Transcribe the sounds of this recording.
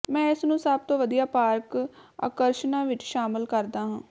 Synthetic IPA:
mɛ̃ːɪsnũːsəb̚t̪õːʋəd̪ijaːpaːɾka̰ːkəɾʃnãːʋɪt͡ʃʃaːmɪlkəɾd̪aːɦãː

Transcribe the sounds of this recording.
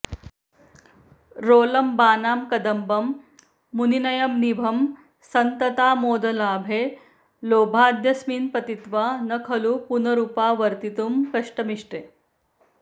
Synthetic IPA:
ɾoːlɐmbaːnaːmkɐd̪ɐmbɐmː | uninɐjɐmnibʱɐm | sɐnt̪ɐt̪aːmoːd̪ɐlaːbʱe | loːbʱaːd̪ʱjɐsmiːnpɐt̪it̪ʋaːnɐkʰɐlupunɐɾupaːʋɐɾt̪it̪umkɐʂʈɐmiʂʈeː

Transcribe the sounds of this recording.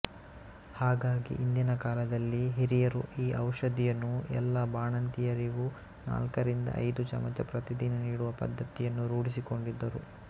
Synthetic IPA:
haːɡaːɡḭʔind̪inɐkaːlɐd̪ɐlːiɦiɾijɐɾuʔiːʔɐwʂɐd̪ijɐnːuɛ̰lːɐbaːɳɐnt̪ijɐɾiɡu | na̰ːlkɐɾind̪ɐ̰ʔɐ̰jd̪ut͡ʃɐ̰mɐt͡ʃɐpɾɐt̪id̪inɐniːɽuʋɐpɐ̰d̪ʱːɐt̪ijɐnːuɾuːɽisiko̞ɳɖid̪ːɐɾṵ

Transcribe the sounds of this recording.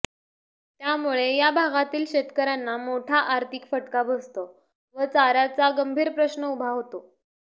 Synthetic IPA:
t̪jamuɭejabʱaɡat̪iːlɕet̪kəɾanːamoʈʰaʔaɾt̪ʰikfəʈkabʱəst̪o | ʋət͡saɾat͡saɡəmbʱiːɾpɾəɕnəubʱaɦot̪o

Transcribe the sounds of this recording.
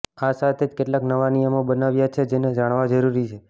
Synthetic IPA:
asat̪ʰed͡ʒkeʈlaknəʋanijəmobənaʋjat͡ʃʰed͡ʒened͡ʒaɳ̃ʋad͡ʒəɾuɾit͡ʃʰe

